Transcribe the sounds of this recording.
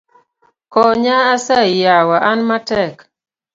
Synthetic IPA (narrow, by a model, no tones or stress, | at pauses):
kɔɲaːsajawaʔanmatɛk